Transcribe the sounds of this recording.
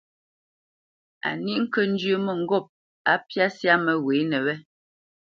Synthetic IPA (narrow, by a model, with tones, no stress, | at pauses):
a̰˨ni˦ʔŋ̩˦kə˦n̩˦d͡ʒjə˦mə˦˨ŋ̩˨ɡɔ˦˨p̚ | a˦pja˦sja˦mə˨we˨˦nə˨wɛ˦